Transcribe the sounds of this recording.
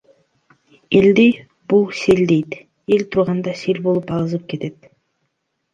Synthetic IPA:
eld̪i | b̥ulˠse̞ld̪e̞jt̪ | e̞lt̪ʰuɾʁɑnd̪ɑselʲbolˠupɑlˠɯzɯp̚ke̞t̪e̞t̪

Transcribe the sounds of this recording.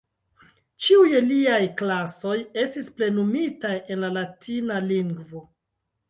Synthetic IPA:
t͡ʃiujeliajklaso̞je̞stisple̞numitaje̞nlalatinaliŋɡvo̞

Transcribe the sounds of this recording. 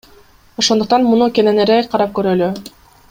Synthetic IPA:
o̞ʃo̞nd̪uqt̪ɑnmunukʲeneneɾeqʰɑɾɑp̚køɾøly

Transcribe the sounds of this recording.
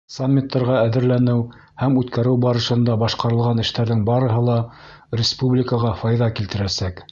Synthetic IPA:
samʲːit̪ːɑɾʁɑæðɘ̆ɾlænɘw | hæmʉt̪kæɾɘwbɑɾɤ̆ʃɤ̆nd̪ɑbɑʃqɑɾɤ̆lˠʁɑnɘ̆ʃt̪æɾðɘŋbɑɾɤ̆ɦɤlˠɑ | rʲɪspublʲɪkəʁɑfɑjðɑkilt̪ɘ̆ɾæsæk

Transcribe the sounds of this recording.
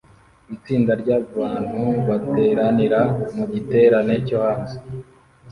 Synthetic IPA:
it͡siːndaɾɟaβaːn̥huβate̞ɾaniɾamuɟite̞ːɾanecohaːnze

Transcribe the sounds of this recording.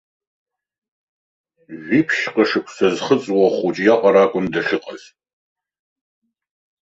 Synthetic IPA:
ʒʷiːpʰʃqɐʂɨkʷʰʼsɐzχət͡sʼwɔχʷut͡ʃʼijaqʼɐɾaːkʷʼʊmdɐɬɪqʼɐz

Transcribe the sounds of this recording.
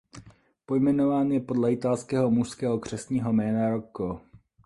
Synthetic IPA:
po̞jmɛnovaːnjɛpo̞dlɛɪt̪alskɛːɦomuʃskɛːɦokr̝̥ɛsɲiːɦomɛːnaɾoko

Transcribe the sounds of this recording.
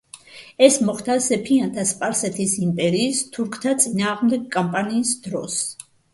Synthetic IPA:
ɛsmɔχd̪asɛpʰiant̪ʰaspʼaɾsɛt̪ʰisimpʼɛɾiːst̪ʰuɾkʰt̪ʰat̪sʼinaːʁmd̪ɛɡ̚kʼampʼaniːsd̪̥ɾɔ̰s

